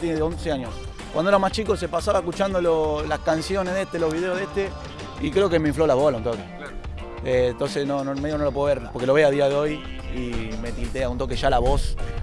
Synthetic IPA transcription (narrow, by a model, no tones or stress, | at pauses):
t̪jeneo̞nseaɲos | kwand̪oeɾamaht͡ʃikosepasaβaekut͡ʃand̪ololaskansjoneðeht̪elo̞ɦβiðeoðeht̪e | ikɾeokemeĩɱflolaβolaunt̪oke | ent̪onsesnonomeiɣonolopweoeɾpoɾkelo̞βeaðiaðeo̞jime̞t̪ilt̪eaunt̪o̞keʃalaβo̞s